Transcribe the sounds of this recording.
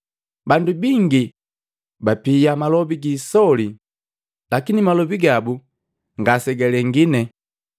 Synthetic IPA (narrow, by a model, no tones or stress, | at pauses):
bandubiŋɡi | bapijamalɔbiɡiːsɔli | lakinimalɔbiɡabu | ŋɡasɛɡɛlɛŋɡinɛ